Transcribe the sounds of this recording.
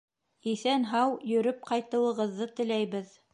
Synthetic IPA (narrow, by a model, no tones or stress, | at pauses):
iθænɦɑwjɵ̆ɾɵp̚qɑjt̪ɤ̆wɤ̆ʁɤ̆ðːɤt̪ɘ̆læjβɘð